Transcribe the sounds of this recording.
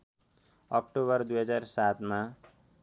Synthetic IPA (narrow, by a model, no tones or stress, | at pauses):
ʌk̚ʈoβʌrd̪ujɦʌd͡zarsat̪ma